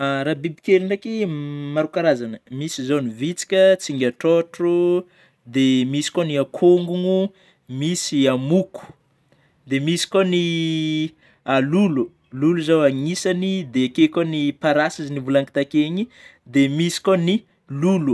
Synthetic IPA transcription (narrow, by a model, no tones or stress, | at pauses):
ɾabibikeliɳakimaɾukaɾazanəmisizonivit͡si̥kʲət͡siŋɡʲaʈ͡ʂoʈ͡ʂu | d̪emisi̥koniakʰoŋɡuŋu | misiamuku̥ | d̪emisi̥koni | alulu | luluzawaŋisanid̪ekekonipaɾasizinivulaŋki̥t̪akeɲi | d̪emisi̥koni | lulu